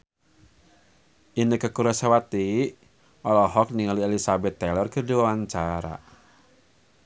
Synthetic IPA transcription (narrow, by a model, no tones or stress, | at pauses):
ʔinəkːəkuɾasawat̪i | ʔɔlɔɦɔk̚niŋaliɛlisabɛt̪ːɛlɔrkɨrdiwawaɲt͡ʃaɾa̰